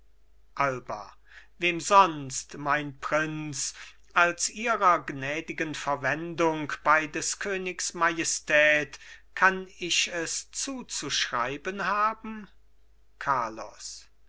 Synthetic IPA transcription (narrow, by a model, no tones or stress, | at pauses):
ʔalbɐ̰ | veːmzɔnstmaɪnpʁ̥ɪnt͡s | alsʔiːʁɐɡnɛːdɪɡənfɛɐvɛndʊŋkb̥aɪdɛskʰøːnɪksmajɛstʰɛːtkʰanɪʃɛst͡suːt͡suʃʁ̥a̰ɪbənhaːbm̩ | kʰaɐlɔ̰s